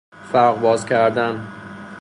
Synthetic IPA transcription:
fæɾʁbɒːzcʲʰæɾd̪æn

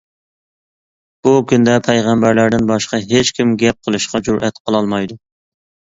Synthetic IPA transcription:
b̥ukʲynd̪ɛpʰɛjʁæmbæɾlæɾd̪ɪnbɑʃqɑɦet͡ʃkʲʰimɡʲɛp̚qʰəlˠɨʃqɑd͡ʒuɾʔɛt̪qʰəlˠɑlˠmɑjd̪u

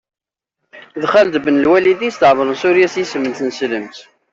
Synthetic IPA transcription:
ðχæld̪bənəlwælid̪ist̪əʕvəɾˤənsuɾjæsjisəmːənθənsləmt̪

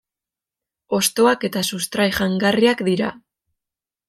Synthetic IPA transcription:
o̞st̪o̞ake̞t̪asust̪ɾajʝaŋɡariakd̪iɾa̰

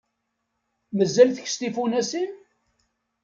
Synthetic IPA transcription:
məzːælθəçst̪ifunæsin

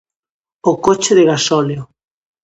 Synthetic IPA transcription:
okot͡ʃeðeɣasɔleo

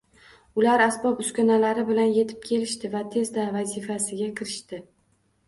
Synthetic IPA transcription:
ʊlaɾasbɒpʊskʲanalaɾɪbɪlanje̞t̪ʰɪ̥p̚kʲʰe̞lɪʃt̪ɪvat̪ʰe̞zd̪avazɪfasɪɡʲakʲʰɪɾɪʃt̪ɪ

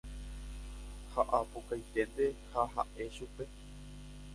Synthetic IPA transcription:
haʔapokajt̪e̞nd̪e̞haɦa̰ʔe̞ʃupe̞

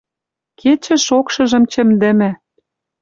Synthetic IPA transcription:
kʰet͡ɕɘ̆ʃokʃɤ̆ʒɤ̆mt͡ɕɘ̆md̪ɘ̆mɘ̆

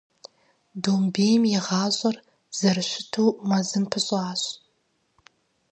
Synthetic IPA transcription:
doːmbeːjmjɛʁɑːɕʼɐr | z̥ɐrɨɕɪtʰuːmɐzɨmpʰɨɕʼɑːɕʼ

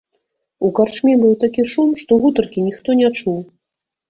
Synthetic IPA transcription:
ukart͡ʂmʲibɨwt̪akʲiʂumʂt̪ɔɣut̪ɐrkʲinʲixt̪ɔnʲat͡ʂuw

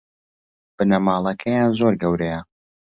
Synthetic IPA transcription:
b̥ɨnɐmaːlˠɐkʰɐjaːnzoɾɡɐwɾɛjɐ

